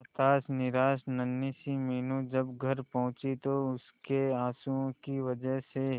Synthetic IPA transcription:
ɐt̪aːsnɪɾaːsnɐnːisimeːnud͡ʒɐbɡʱɐɾpɐɦʊ̃t͡ʃit̪oʊskeaːsũkiʋɐd͡ʒəɦse

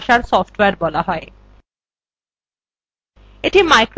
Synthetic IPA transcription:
ʃaɾsɔfʈweaɾbɔlaɦɔe | eʈimajkɾ

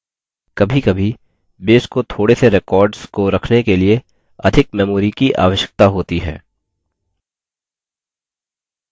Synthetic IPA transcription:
kɐbʱikɐbʱi | beːskot̪ʰoːɽeseɾɪkɔːɾɖskoɾɐkʰnekelie | ɐd̪ʱɪkmɛːmoːɾikiʔa̰ːʋəʃjə̥k̚t̪aɦoːt̪iɦɛ̰ː

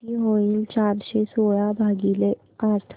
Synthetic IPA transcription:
iɦoːint͡ʃaːɾʃesoːɭabʱaːɡile | aːɾt̪ʰ

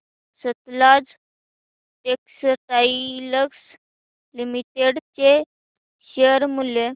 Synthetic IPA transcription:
sət̪lad͡z | eksəʈailəks | limiʈeɽt͡ɕe | ɕeɾmule

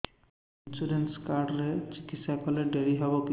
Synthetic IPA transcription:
nsuɾenskaɾɖɾet͡ɕikit̪ʃakɔleɖeɾiɦɔboki

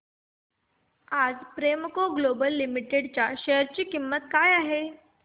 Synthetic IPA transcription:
ad͡zpɾemkoɡlobəlːimiʈeɽt͡ɕjaɕejəɾt͡ɕiːkimːət̪kajaɦe

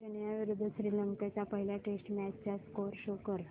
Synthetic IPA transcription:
əñijaʋiɾod̪ʱəsɾiləŋkat͡ɕapəɦiljaʈesʈmæt͡ɕt͡ɕjaskoɾɕokəɾ

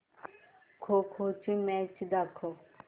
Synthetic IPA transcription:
kʰoːkʰoːt͡ʃʰimɛːt͡ʃd̪akʰo

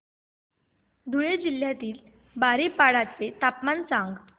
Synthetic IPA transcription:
d̪ʱuɭed͡ʑil̤ːjat̪iːl | baɾepaɽat͡set̪apmant͡saŋɡ

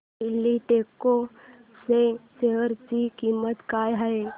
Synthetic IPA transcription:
ɪlːiʈeːkːõ | seseɦəɾt̪ikiːmət̪kaːjɦəe

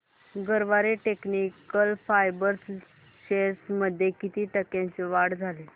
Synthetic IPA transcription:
ɡəɾʋaɾeʈeknikəlfajbəɾs | ɕeɾsməd̪ʱːjekit̪ʰiːʈəkjãɲt͡ɕeʋaɽd͡zʱale

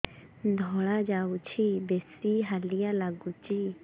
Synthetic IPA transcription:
d̪ʱɔːɭad͡ʒaːut͡ʃʰibeːsiːɦalijalaːɡut͡ʃʰi

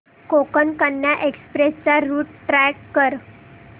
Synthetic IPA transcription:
kokənkəɳjaʔekspɾest͡saɾuːʈʈɾɛkːəɾ

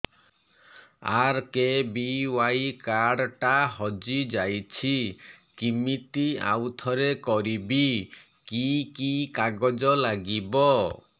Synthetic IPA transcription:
aɾkebiwajkaɽʈaɦɔd͡ʒid͡ʒajt͡ʃʰikimit̪ia̰wt̪ʰɔɾekɔɾibi | kikikaɡɔd͡ʒɔlaɡibɔ

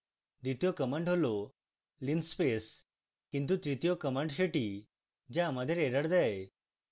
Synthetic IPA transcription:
d̪it̪jɔkəmaɳɖɦolo | linspes | kint̪̬ut̪ɾit̪jɔkəmaɳɖɕeʈi | d͡ʑaːmad̪ʱjeɾeɾəɽd̪ae

